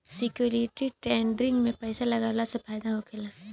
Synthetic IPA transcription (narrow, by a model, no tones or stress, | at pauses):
sɪkjuːɾɪʈiʈɛːɳɖɾɪ̃ŋɡmẽpɐːsalɐɡaːlasepʰaːjd̪aɦokʰeːlaː